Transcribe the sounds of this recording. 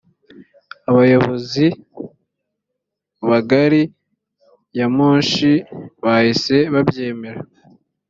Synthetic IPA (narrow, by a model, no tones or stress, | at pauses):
aβajo̞βo̞zi | βaɡaɾi | jamuːnʃiβahise̞βabje̞ːme̞ɾa